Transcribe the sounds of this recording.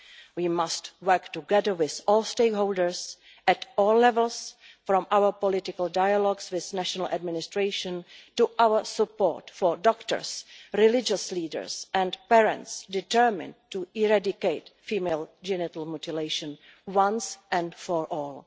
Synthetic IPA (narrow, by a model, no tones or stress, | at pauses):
wiːmastwɜ˞ktuɡɛðə˞wɪθɔːlˠsteɪkɦolˠdəɹs | ʔɛtɔːlːɛvɛl̩ˠs | fɾɔ̃mʔawə˞pɔlɪtɪkalˠdajalɔɡswɪθnæʃɔnal̩ʔa̰dmɪnɪstɹeɪʃə̃ntuʔawəsəpɔ̰ɹtfɔɹdɔktə̰˞sɹɪlɪd͡ʒəsliːdə̰˞sʔɛ̃ndpɛɹɛ̰̃ntsdɪtəɹmɪ̰̃ntuɪɹadɪkeɪtfiːmeɪld͡ʒɛnɪtl̩mutɪleɪʃə̃nwãnsʔɛ̃nfɔɹʔɔːlˠ